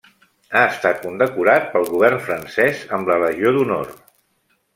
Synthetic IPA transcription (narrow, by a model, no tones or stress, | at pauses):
aəst̪at̪̚kund̪əkuɾat̪̚pəlˠɣuβ̞ɛrnfɾənsɛzəmlələʒioðuno̰r